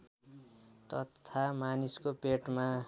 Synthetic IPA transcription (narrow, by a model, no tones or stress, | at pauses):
t̪ʌt̪ʰamaniskopeʈma